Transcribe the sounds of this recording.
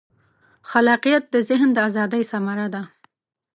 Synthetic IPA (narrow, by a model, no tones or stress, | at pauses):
xalɑqijat̪̚d̪əzɪɦnd̪əazɑd̪əjsamaɾad̪a